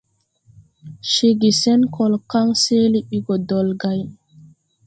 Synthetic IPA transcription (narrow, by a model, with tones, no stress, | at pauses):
ʃe˨ɡi˨sɛ˦nkɔ˨lka˦ŋseː˦li˦ɓi˦ɡɔ˨dɔ˨lɡa˦j